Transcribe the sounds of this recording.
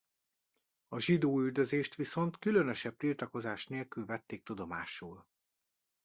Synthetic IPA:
ɒʒid̪oːyld̪øzeːʃt̪ʋiso̞nt̪kylø̞nø̞ʃɛb̚t̪ilt̪ɒko̞zaːʃneːlkylvɛt̪ːeːk̚t̪ud̪o̞maːʃuːl

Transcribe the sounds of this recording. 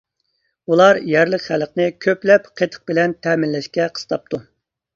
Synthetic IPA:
ulˠɑɾjɛɾləqχæləqnɨkʲʰøplɛpqʰet̪ʰə̥q̚bɪlɛnt̪ʰɛːmɪnlɛʃkʲɛqʰə̥st̪ʰɑp̚t̪ʰu

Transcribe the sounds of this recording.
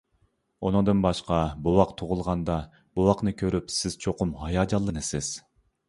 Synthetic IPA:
onɨd̪ɨnbɑʃqɑbowɑqt̪ʰuʁʊlˠʁɑnd̪ɑ | b̥owɑqnɨkʲʰøɾypsɪz̥t͡ʃʰoqʊmhɑjɑd͡ʒɑlˠːɨnɨsɪz̥

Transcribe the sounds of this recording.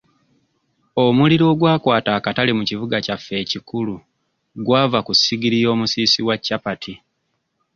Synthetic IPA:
o̞muliɾo̞ːɡwaːkwaːtaːkatalimucivuɡacafːe̞ːcikulu | ɡwaːvakusːiɡiɾijo̞ːmusiːsiwacːapatʰi

